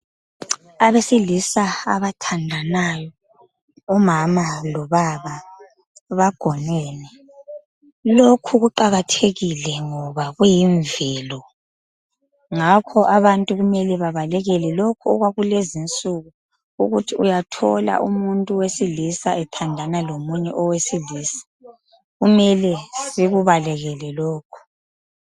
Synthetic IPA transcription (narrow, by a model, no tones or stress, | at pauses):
aβesilisaa̰βatʰandʱanajɔ | ɔmamalɔβaβa | βaɡ̥ʱɔnwɛːnɛ | lokʰuɣuǃaɣatʰeɣilɛŋɔβaɣujiɱvɛlɔ | ŋakʰɔʔaβantʼuɣumɛlɛβaβalɛɣɛlɛlokʰuɔɣwaɣulezint͡sʼuɣu | ṵɣutʰiujatʰɔla̰ʔumuntʼuwesilisaʔɛtʰandʱanalomuɲɛʔɔwesiliːsḁ | ɣumɛlɛsiɣuβalɛɣɛlɛlɔːkʰu̥